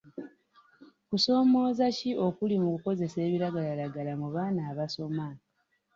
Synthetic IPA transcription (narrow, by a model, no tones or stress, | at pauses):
kuso̞ːmo̞ːzaciʔo̞kulimukuko̞ze̞se̞ːβiɾaɡalalaɡalamuβaːnaːβaso̞ma